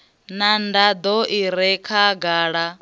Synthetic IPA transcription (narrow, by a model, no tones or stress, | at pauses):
nandad̪ɔʔiɾɛkʰaɡaːɺa